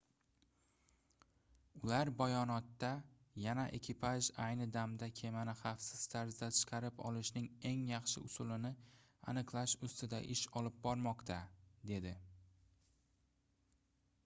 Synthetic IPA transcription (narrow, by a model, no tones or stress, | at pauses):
ʊlaɾbajɒnɒt̪ːa | janaʔe̞kʲʰɪpʰaʒajnɪd̪amd̪akʲʰe̞manɪχɑfsɪz̥t̪ʰaɾzd̪at̪ʰɨ̥qʰɑɾɪpɒ̰lˠɪʃnɪŋe̞ŋjɑχʃɪ̰ʊsʊlɪnɪ | a̰nɨqlˠaʃʊst̪ʰɪd̪a̰ʔɪʃɒlɪp̚bɒɾmɒqt̪ʰad̪e̞d̪ɪ